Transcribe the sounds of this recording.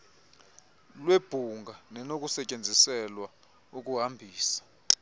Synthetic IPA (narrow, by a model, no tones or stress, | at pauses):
lweb̥ʱuŋɡʱanɛnok̬ʼusɛcʼend͡zʱisɛlwa | uk̬ʼuɦambʱiːsḁ